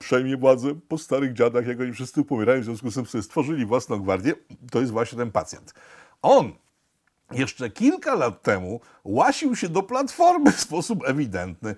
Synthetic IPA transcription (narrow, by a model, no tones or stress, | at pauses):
pʂɛjmʲjɛvwad̪zɛpɔst̪aɾɘɣd͡ʑad̪axjakɔɲifʂɘst̪sɘpɔmʲɛɾajɔ̃zʲjɔ̃skust̪ɘmsɔbɘst̪fɔʐɘlʲivwasnɔ̃ɡvaɾd̪ʲjɛt̪ɔjɛst̪vwaɕɲɛt̪ɛnpat̪sʲjɛ̰nt̪ | ɔn | jɛʂt͡ʂɛkʲilkalat̪ːɛmu | waɕiwɕɛd̪ɔplat̪fɔɾmɘfspɔsupɛvʲid̪ɛnt̪nɘ